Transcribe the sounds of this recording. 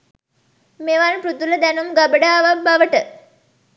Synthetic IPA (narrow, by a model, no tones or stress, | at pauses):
meʋanpɾut̪uləd̪ænumɡabəɖaːʋəbaʋəʈə